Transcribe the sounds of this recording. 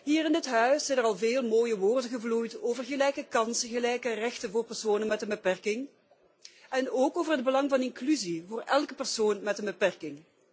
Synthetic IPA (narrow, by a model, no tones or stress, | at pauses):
ɦiːrɪndətɦœɥsɛjnərɑlˠveːlˠmoːjəʋoːrdəɣəvlujtoːvərɣəlɛjkəkɑnsəɣəlɛjkərɛxtənvʊːrpɛrsoːnənmɛtdəbəpɛrkɪŋ | ɛnoːkoːvərɦəd̚bəlɑŋvɑnɪŋklyzivʊːɹɛlˠkəpərsoːnmɛtdəbəpɛrkɪŋ